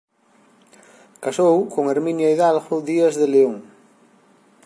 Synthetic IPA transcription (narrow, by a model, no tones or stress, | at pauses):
kasowkoŋeɾmĩnjaiðalɣʊðiazðeleoŋ